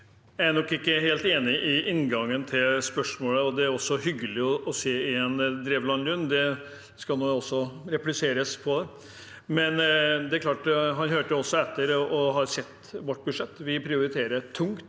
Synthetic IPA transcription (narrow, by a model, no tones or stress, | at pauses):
jæænɔkːɪkːəheːlt̪eːnɪʔɪʔɪnːɡɑŋːənt̪ʰɪlspœʂmoːləɔd̪ɛæɾɔsːɔhʏɡːəlɪɔʔɔseːɪɛnd̪ɾeːʋlɑnlʉnːd̪ɛ | skɑlnoːɔsːɔɾɛplɪseːɾəspʰɔd̪ɛ | mɛnd̪ɛæɾklɑːʈɦɑnɦøːʈəjʊɔsːɔɛt̪ːəɾʔɔɦɑɾsɛt̪ː | ʋɔʈːbʉd̪ʂɛt̪ːʋɪpʰɾɪʊɾɪt̪ʰeːɾət̪ʰʊŋt̪